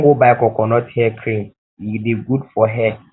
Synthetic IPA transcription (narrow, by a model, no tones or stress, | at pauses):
ɡobaɛkɔkʰɔnɔ̃tʰɛkʰɾĩm | ideɡudfɔɦɛ